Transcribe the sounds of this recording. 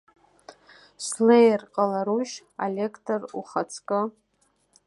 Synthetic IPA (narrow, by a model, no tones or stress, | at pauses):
slejrqʼalaɾuʃ | a̰lʲekʰtʰoruχat͡sʰkʼɨ